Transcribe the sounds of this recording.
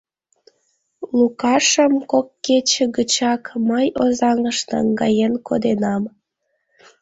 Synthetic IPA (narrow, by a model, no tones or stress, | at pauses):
lukɑʃəmkokːet͡ɕeɡət͡ɕɑkməjozɑŋəʃt̪ɑŋɡɑjenkod̪enɑm